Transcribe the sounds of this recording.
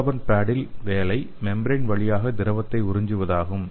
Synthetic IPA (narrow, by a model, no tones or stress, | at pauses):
ʋɐnpaːɽɪlʋeːlɐɪ | mɛmbɾɐnʋɐɭɪjaːɣɐd̪ɪɾɐʋɐt̪ːɐɪʊɾɪɲd͡ʒɯʋɐðaːɣɯm